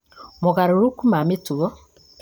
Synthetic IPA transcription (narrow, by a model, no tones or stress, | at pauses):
mɔɣaɾiɾukumamituɔ